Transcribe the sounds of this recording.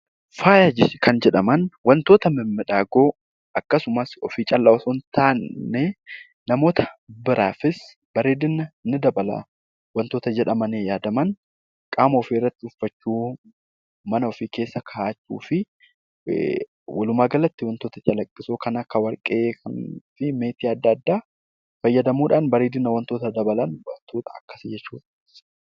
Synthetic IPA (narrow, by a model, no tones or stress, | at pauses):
faːjaːd͡ʒɪskʰɐnd͡ʒɛᶑɐmɐnwɐnt̪o̞ːt̪ɐmɪmːɪᶑaːɡoː | ʔɐkːɐsʊmɐsɔfiːt͡ʃʼɐlːɐwɐsuːnt̪aːnːe | nɐmo̞ːt̪ʰɐ̥bɪɾa̰ːfɪs | b̥ɐɾe̞ːd̪ɪnːɐnːɪd̪ɐbɐlɐ̰ | wɐnt̪o̞ːt̪ɐd͡ʒɛᶑɐmɐneːjaːd̪ɐmɐn | kʼaːmɐɔfiːɪrːɐt̪ːɪʊfːɐt͡ʃːuː | mɐnɐɔfɪke̞ːsːɐkʰɐːt͡ʃːṵːfɪ | wʔɐlʊmaːɡɐlɐt̪ːɪwɐnt̪o̞ːt̪ɐt͡ʃʼɐlɐkʼːɪsoːkɐnɐkːɐwɐɾkʼeːkʰɐnfɪme̞ːt̪iɐd̪ːɐːd̪ːaː | fɐjːɐd̪ɐmuːᶑaːnbɐɾeːd̪ɪnːɐwɐnt̪o̞ːt̪ɐd̪ɐbɐlɐnwɐnt̪oːt̪ɐɐkːɐ̥sɪd͡ʒɛt͡ʃːuːᶑɐ̥